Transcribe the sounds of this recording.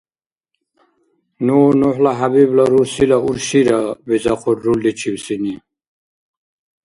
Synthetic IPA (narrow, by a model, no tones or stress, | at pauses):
nunuħlaɦabiblaɾuɾsilauɾɕiɾabizaqʰuɾːuldit͡ɕʰiwsini